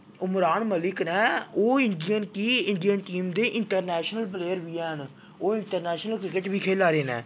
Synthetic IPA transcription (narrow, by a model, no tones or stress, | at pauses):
ʊmɾaːnməlɪknɛːoːɪɳɖijənkiːɪɳɖijənʈiːmd̪eːʔɪɳʈəɾnɛːʃnəlp̬leːəɾʋiːɛːɦən | oːɪɳʈəɾnɛːʃnəlkɾɪkəʈbiːkʰeːlaːɾeːnɛ̰ː